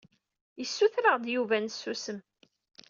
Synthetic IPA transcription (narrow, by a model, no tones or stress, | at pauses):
jəsːuθɾəʁd̪juvænsːusəm